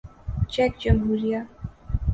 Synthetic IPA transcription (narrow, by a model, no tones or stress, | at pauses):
t͡ʃɛkd͡ʒəmɦuɾija